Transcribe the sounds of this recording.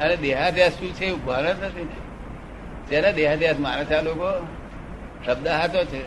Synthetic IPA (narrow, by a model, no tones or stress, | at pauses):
əned̪eɦad̪jast̪ũt͡ʃʰeubʱanət̪ət̪ʰine | d͡ʒenad̪eɦad̪ʱjasmanat̪ʰaloko | ʃəb̚d̪əɦat̪ot͡ʃʰe